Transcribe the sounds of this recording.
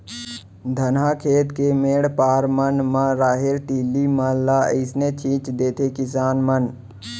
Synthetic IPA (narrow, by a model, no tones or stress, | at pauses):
d̪ʱənɦaːkʰeːt̪kemeːɽpaːɾmənmãɾaːɦɪɾʈiːlimaːlːaɪsnet͡ʃʰiːt͡ʃd̪eːt̪ʰekɪsaːnmən